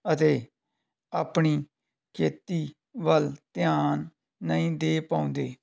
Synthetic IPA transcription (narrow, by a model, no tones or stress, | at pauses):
ət̪eː | aːpɳiː | kʰeːt̪iː | ʋəlt̪ɪjaːnː | əĩːd̪eːpãːʊ̃nd̪eː